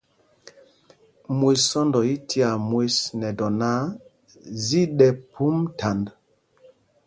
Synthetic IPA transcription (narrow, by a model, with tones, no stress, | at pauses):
mwe˨ssɔ˦ndɔ˨i˦ti˦a˨mwe˦snɛ˨dɔ˨na˦ | zi˦ɗɛ˨pu˦mtʰa˨nd